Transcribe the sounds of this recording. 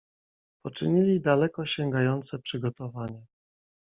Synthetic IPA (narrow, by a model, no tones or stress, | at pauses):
pɔt͡ʂɘɲilʲid̪alɛkɔɕɛŋɡajɔnt̪sɛpʂɘɡɔt̪ɔvaɲa